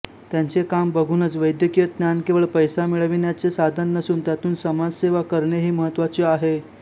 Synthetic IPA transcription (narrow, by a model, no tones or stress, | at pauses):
t̪jant͡sekambəɡʱuːnət͡sʋəjd̪jəkijət̪njankeʋəɭpəjsamiɭəʋinjat͡sesad̪ʱənːəsuːnt̪jat̪uːnsəmad͡zseʋakəɾɳeɦiːməɦət̪ːʋat͡ɕiaɦe